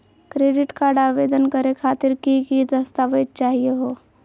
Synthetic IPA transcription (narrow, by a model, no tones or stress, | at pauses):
kɾeːɖɪʈkaːɾɖaːʋeːd̪ənkəɾekʰaːt̪ɪɾkikid̪ɐst̪aʋətt͡ʃaːɦieɦoː